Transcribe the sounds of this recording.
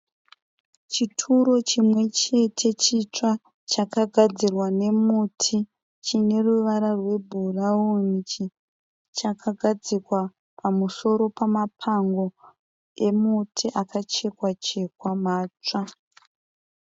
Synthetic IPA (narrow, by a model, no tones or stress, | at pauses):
t͡ʃitʰuɾo̞t͡ʃimwe̞t͡ʃe̞tʰe̞t͡ʃit͡ʂa | t͡ʃakaɡʱad͡zirwane̞mutʰi | t͡ʃine̞ruʋaɾarwe̞bʱuraunit͡ʃi | t͡ʃakʰaɡʱad͡zikwa | pʰamuso̞ɾo̞pamapʰaŋɡo̞ | e̞mutʰiʔakat͡ʃe̞kwat͡ʃe̞kwamaːt͡ʂa